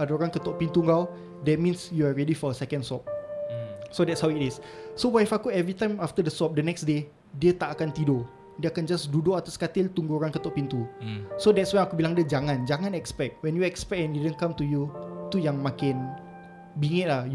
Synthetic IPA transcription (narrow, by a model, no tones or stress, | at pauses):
adaoɾãŋkət̪ɔʔpint̪uŋɡaw | dɛt̚mĩnsjuaɹedifɔəsɛkə̃nsɔp̚ | sodɛtshawitɪsːowajfakuɛvɹit̪ãjmaft̪ədəsɔp̚dənɛksde | diət̪aʔakant̪ido | diəakand͡ʒasdudoʔat̪askat̪ɪlt̪uŋɡuoɾãŋkət̪ɔʔpint̪usodɛtswanakubilaŋdiəd͡ʒaŋãnd͡ʒaŋãnɛkspɛk̚t̚wɛ̃njuɛkspɛk̚ɛ̃ndidənkãmt̪ujut̪ujaŋmãkɪn | biŋɪʔ̚lah